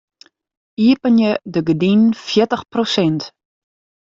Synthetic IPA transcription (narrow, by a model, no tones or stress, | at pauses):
iəpənjədəɡədinfjɪtəχprosɛnt